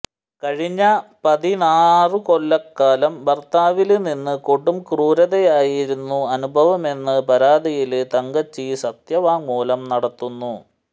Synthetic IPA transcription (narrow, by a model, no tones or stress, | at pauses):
kɐɻiɲːɐpɐðinaːrɨko̞lːɐkːaːlɐmbɐrt̪aːʋilninːɨkoɽːumkruːɾɐðejaːjiɾunːuɐnubʱɐʋɐme̞nːɨpɐɾaːd̪ijilt̪ɐŋɡɐt͡ɕːisɐt̪jɐʋaːŋːuːlɐmnɐɽɐt̪ːunːu